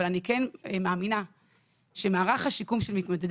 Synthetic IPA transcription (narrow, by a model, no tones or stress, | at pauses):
alanikenmaːmina | ʃemaːʁaχhaʃikumʃelmit̪mod̪ed